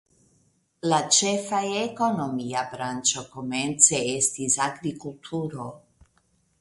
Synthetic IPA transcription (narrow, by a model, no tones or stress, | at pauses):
lat͡ʃɛfajɛːkonomiabɾant͡ʃɔkomɛnt̪sɛest̪izaɡɾikult̪ʰuːɾo